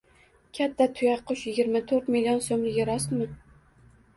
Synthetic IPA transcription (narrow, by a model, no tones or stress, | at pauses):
kʲʰat̪ʰːat̪ʰʊjɑqʰːʊʃjɪɡʲɪɾmat̪ʰɵɾt̪milijonsomlɪɡʲɪɾɒst̪mɪ